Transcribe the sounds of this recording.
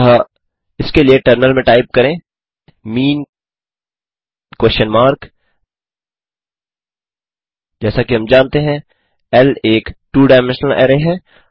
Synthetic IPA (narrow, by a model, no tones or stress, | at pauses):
ɦa | ɪskelijeʈəɾnəlmẽʈaːɪp̚kɐɾẽː | miːn | kwɛsənmaːɾk | d͡ʒɛːsakiɦɐ̃md͡ʒãːnt̪eɦɛ̃ | ɛleːkʈuːɖaːɪmɛ̃nʃnəlɛ̰ːɾeɦɛ̃ː